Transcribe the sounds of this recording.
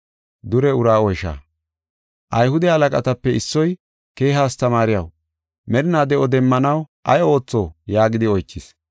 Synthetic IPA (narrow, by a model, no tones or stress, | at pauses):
d̪ʊɾɛʊɾaːɔjʃa̰ː | ʔɐjhʊd̪ɛɐlɐkʼɐ̰t̪ɐpːɛɪsːɔj | ke̞ːɦaːst̪ɐmaːɾɪjɐ̰w | mɛɾɪnaːd̪ɛʔɔd̪ɛmːɐnɐwʔɐjo̞ːt͡sːoːjaːɡɪd̪ɪɔjt͡ʃːɪs